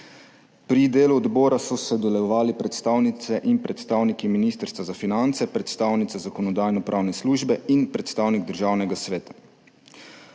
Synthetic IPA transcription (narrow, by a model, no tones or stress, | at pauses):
pɾid̪eːluɔd̪bɔːɾasɔsɛd̪ɔlɛɔʋaːlipɾɛt̪st̪aːwnit̪sɛʔinpɾɛt̪st̪aːwnikiminist̪əɾst̪ʋazafinant̪sɛpɾɛt̪st̪aːwnit̪sɛzakɔnɔd̪aːjnɔpɾʔaːwnɛsluːʒbɛinpɾɛt̪st̪aːwniɡ̚d̪əɾʒaːwnɛɡasʋeːt̪ḁ